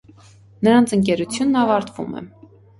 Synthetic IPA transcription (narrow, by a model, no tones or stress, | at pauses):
nəɾɑnt͡sʰəŋk̬ɛɾut͡sʰjunːɑvɑɾt̪vṵmɛ̰